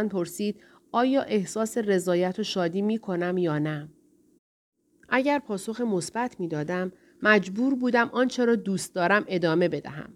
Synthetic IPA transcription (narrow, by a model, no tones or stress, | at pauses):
npʰo̞ɾsiːd̪̥ | ɒːjɒːʔe̞hsɒːse̞re̞zɒːjæt̪ʰoʃɒːd̪iːmiːkʰo̞næmjɒːnæ | ʔæɟæɾpʰɒːso̞xemo̞sb̥æt̪ʰmiːd̪ɒːd̪æmː | æd͡ʒbuːɾbuːd̪æmʔɒːnt͡ʃʰeɾɒːd̪uːst̪̚d̪ɒːɾæmʔe̞d̪ɒːme̞be̞d̪æ̰ɦæ̰m